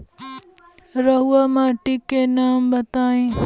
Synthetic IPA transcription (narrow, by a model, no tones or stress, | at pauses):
ɾɐɦuamãʈikːenaːmbɐt̪aːĩ